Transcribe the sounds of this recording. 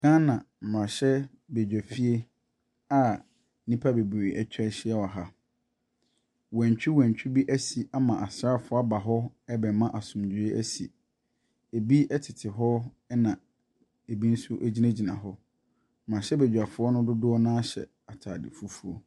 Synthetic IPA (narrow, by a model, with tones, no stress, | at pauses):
ɡã˦nã˨ | m̩˨mã˨ɕɛ˦ | bɛ˨d͡ʑᶣæ˨fi˦e˦ | a˦ | nĩ˦pʰa˦be˨be˨ʔɛ˨t͡ɕʰᶣɛ˦ɕɪ˦ɛ˦wa˨ɦa˦ | wɛ̃˨ɲ˨t͡ɕᶣi˦wɛ̃˨ɲ˨t͡ɕᶣi˦bi˦ʔæ˦si˨a˦mã˨ʔa˨sɾa˦˨fʊ˦a˦ba˨ɦɔ˦ɛ˦bɛ˨mã˦ʔa˨sʊ̃˨mdu˨e˦ʔæ̰˦si˨ | e˨bi˦ʔɛ˦tʰɪ˨tʰɪ˨ɦɔ˦ | ɛ˦nã˨ | e˨bi˦n̩˦sʊ˦ʔe˦d͡ʑi˦næ̃˦d͡ʑi˨nã̰˨ɦɔ˦ | m̩˨mã˨ɕɛ˦bɛ˨d͡ʑᶣa˨fʊ˨˦ɔ˦nʊ̃˦dʊ˦dʊ˦ɔ˦nãː˦ɕɛ̰˨ | a˨tʰaː˨dɪ̰˨fu˦fu˦o˦